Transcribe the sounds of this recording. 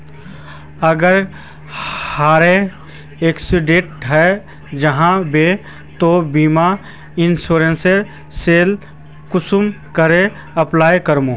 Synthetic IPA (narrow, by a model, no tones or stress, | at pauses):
ɐɡəɾ | haːɾe | eːksiɖẽːʈɦɛ | d͡ʒəɦãbe | t̪obiːma | ɪnsuːɾẽnseɾ | seːl | kʊsum | kəɾe | ɐplaːjkəɾmũ